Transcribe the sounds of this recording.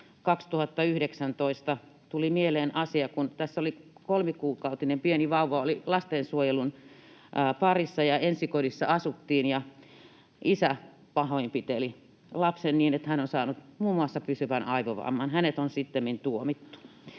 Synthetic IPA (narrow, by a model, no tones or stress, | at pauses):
kɑkst̪uhɑt̪ːɑyhɾeksænt̪oist̪ɑ | t̪ulimieleːnʔɑsiɑkunt̪æsːolikolmikuːkɑut̪inempieniʋɑuʋɑolilɑst̪eːnsuojelunː | pɑrisːɑjɑensikodisːɑɑsut̪ːiːnjɑ | ʔisæ | pɑhoimpit̪eli | lɑpsenniːnet̪hænonsɑːnut̪muːmːuɑsːɑpysyʋænɑiʋoʋɑ̰ːmːˑɑnhænet̪onsit̪ːemːint̪uomit̪ːu̥